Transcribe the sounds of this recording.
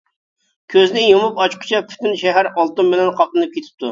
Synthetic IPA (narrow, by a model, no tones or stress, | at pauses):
kʲʰøznɪjomupɑt͡ʃqʰʊ̥t͡ʃʰɑpʰy̥t̪ɪnʃɛɦæɾɑlˠt̪ɨmbɪlɛnqʰɑp̚lˠɨnɨp̚kʲet̪ʰɪ̥p̚t̪ʰu